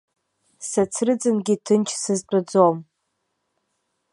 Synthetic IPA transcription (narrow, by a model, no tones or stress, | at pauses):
sat͡sʰrɨd͡zɨnɡʲitʰɨnt͡ʃʰsɨzt͡pʼad͡zom